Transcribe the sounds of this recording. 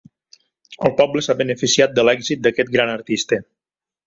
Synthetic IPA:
əlˠpɔbləsaβənəfisiat̪̚d̪əlɛɡzit̪̚d̪əkɛt̪̚ɡɾanəɾt̪ist̪ə

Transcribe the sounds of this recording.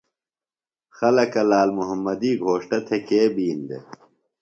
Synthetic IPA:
xɐlɐkɐlaːlmuɦɐmːɐd̪iːɡʱoːʂʈɐt̪ʰekeːbiːnd̪ḛ

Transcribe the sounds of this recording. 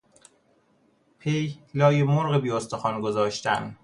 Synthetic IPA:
pʰejlɒːjemoɾɣebiːost̪oxɒnɡozɒːʃt̪æn

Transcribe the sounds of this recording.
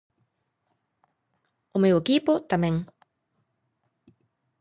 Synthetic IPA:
ʊmewekipot̪amẽŋ

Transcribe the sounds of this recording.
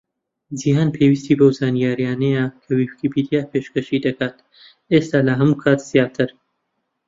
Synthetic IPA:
d͡ʒiɦaːnpʰewist̪iːbɐwzaːnijaːɾijaːnɐjɐkʰɐwifkibid̪ijaːpʰeʃkɐʃid̪ɐkaːt̪ | eːst̪aːlɐɦɐmuːkʰaːt̪z̥ijaːt̪ʰɨɾ

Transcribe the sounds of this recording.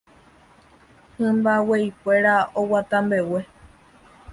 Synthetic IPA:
hɨ̃mbaweipʷeɾaowat̪ãmbe̞we̞

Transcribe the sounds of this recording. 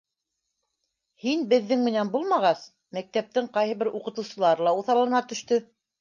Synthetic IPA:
hinbɘ̆ðːɘŋmɘ̆nænbulˠmɑʁɑs | mæk̚t̪æp̚t̪ɘŋqɑjɦɤ̆βɘɾuqɤ̆t̪ɤ̆wsɤ̆lˠɑɾlˠɑuθɑlˠɤ̆nɑt̪ɵ̆ʃt̪ɵ

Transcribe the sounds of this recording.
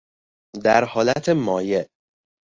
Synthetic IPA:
d̪æɾhɒːlæt̪ʰemɒːjeʔ

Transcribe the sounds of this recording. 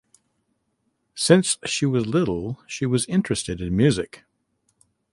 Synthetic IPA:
sɪ̃nsʃiwʌzlɪɾl̩ˠʃiwʌzɪ̃nt͡ʃɹ̥ɨstɨɾɨ̃nmjʉzɨk

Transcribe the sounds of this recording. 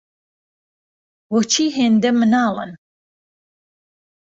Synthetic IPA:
wot͡ʃʰiːɦend̪emɨnɑːlə̰n

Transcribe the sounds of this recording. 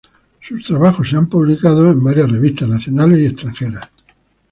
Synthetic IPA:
sust̪ɾaβaxosːeampuβlikaðoembaɾjasre̞βist̪aznaθjo̞nale̞sie̞st̪ɾaŋxeɾas

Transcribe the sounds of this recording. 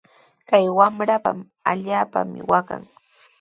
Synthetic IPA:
kajwamɾapa̰m | aʎaːpa̰mɪwaka̰ŋ

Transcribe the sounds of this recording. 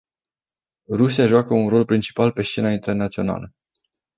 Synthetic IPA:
rusijaʒoakəunro̞lpɾint͡ʃi̥palpe̞ʃt͡ʃe̞naint̪e̞rnat̪sio̞na̰lə

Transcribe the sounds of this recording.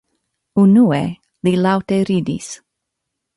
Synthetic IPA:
unue | lilawteɾidḭs

